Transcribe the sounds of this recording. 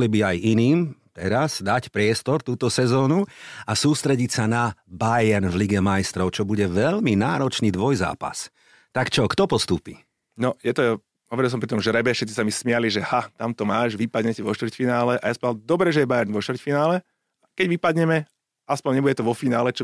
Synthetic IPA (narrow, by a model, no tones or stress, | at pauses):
libiajiniːmt̪ɛɾaz̥d̪acpɾɪɛst̪ɔɾt̪uːt̪ɔsɛzɔːnuasuːst̪ɾɛɟicsanabajɛɾnvliɡɛmajst̪ɾɔʊt͡ʃɔbuɟɛʋɛʎminaːɾɔt͡ʃniːd̪ʋɔjza̰ːpa̰s | t̪akt͡ʃɔkt̪ɔpɔst̪uːpi | nɔjɛt̪ɔ | ɦɔʋɛɾilsɔmpɾit̪ɔmʒɛɾɛbɛfʃɛt̪t͡sːi̥samismɪaliʒɛhat̪amt̪ɔmaːʒʋipad̪ɲɛcɛʋɔʃt̪ʋr̩cfinaːlɛʔajaspad̪ɔbɾɛʒɛjɛbajɛɾnʋɔʃt̪vɾrcfinaːlɛ | akɛɟʋipad̪ɲɛmɛ | aspɔɲɲɛbuɟɛt̪ɔʋɔfinaːlɛt͡ʃɔ